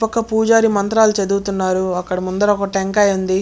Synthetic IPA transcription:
pɐkːɐpuːd͡ʒaːɾimɐnt̪ɾaːlut͡ʃɐd̪uːt̪unːaːɾuɐkːɐɽɐmund̪ɐɾɔkɐʈeŋkɐjund̪i

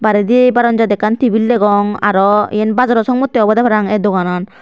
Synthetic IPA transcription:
baɾed̪iebaɾɔnd͡ʒad̪ɛkant̪ibilːeɡɔŋa̰ɾɔḭjenbazɔɾɔsɔŋmot̪ːiɔbɔd̪apʰaɾaŋɛd̪okanɔn

